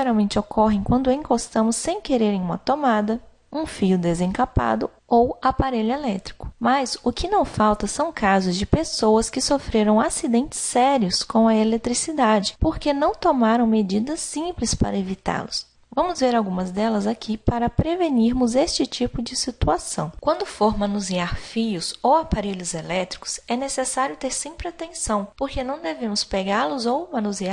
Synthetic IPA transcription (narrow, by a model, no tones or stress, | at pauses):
ʒeɾawmẽnt͡ʃɪokʰɔɦẽj̃kwɐ̃nd̪ʊẽkost̪ɐ̃mʊsːẽj̃keɾeɾẽj̃ũmɐt̪omad̪ɐ | ũfijʊd̪ezẽkapa̰d̪ʊ | owapaɾeʎʊelɛt̪ɾikʊ̥mɐzʊkɪnɐ̃w̃fawt̪ɐsɐ̃w̃kazʊzd͡ʒɪpesowɐskɪsofɾeɾɐ̃w̃asid̪ẽnt͡ʃɪ̥sːɛɾiʊskõw̃ɐelet̪ɾisid̪ad͡ʒɪpoɾkenɐ̃w̃t̪omaɾɐ̃w̃med͡ʒid̪ɐsĩplɪspa̰ɾɐevit̪a̰ɾlʊs | vɐ̃mʊzveɾawɡũmɐzd̪ɛlɐzakʰipaɾɐpɾeveniɾmʊzest͡ʃɪt͡ʃipʊd͡ʒɪsit̪uasɐ̰̃w̃kwɐ̃nd̪ʊfoɾmɐ̃nuziaɾfijʊsowapaɾeʎʊzelɛt̪ɾi̥kʊ̥sɛnesesaɾjʊt̪eɾsẽmpɾɪat̪ẽsɐ̃w̃poɾkenɐ̃w̃d̪evẽmʊspeɡaɾlʊzowmɐ̃nuziaɾ